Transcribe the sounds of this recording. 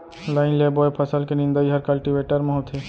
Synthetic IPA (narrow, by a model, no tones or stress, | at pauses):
laɪnlebɔjpʰəsəlkenĩnd̪əjɦəɾkɐlʈiʋeʈəɾmeɦɔt̪ʰe